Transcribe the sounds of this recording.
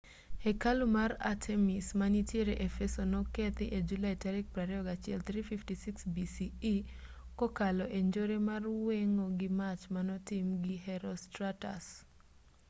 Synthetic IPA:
ekalumaɾatʰemismanitjeɾeʔefesonɔkɛt̪ɪʔed͡ʒulaitaɾik̚pɾaɾɛɔɡat͡ʃɪɛ̰lt̪ɾififtisiksbisiː | kɔkalɔʔeɲd͡ʒoɾemarweŋoɡɪmat͡ʃmanɔtɪmɡihɛɾɔstɾata̰s

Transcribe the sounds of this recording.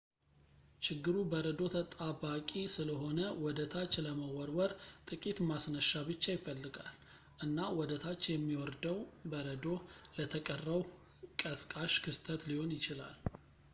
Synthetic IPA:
t͡ʃɪɡːɨɾubəɾəd̪o̞t̪ʰət̪ʼabakʼisɨləɦo̞nəwɔd̪ət̪ʰat͡ʃːləməwɔɾwɔɾt̪ʼɨkʼit̪masnəʃːabɨt͡ʃːajɪfːəlːɨɡa̰l | ʔɨnːawɔd̪ət̪ʰat͡ʃːjɛmːiwɔɾd̪əwbəɾəd̪o̞lət̪ʰəkʼərːəw | kʼəskʼaʃkʰɨst̪ʰət̪liho̞njɪt͡ʃɪla̰l

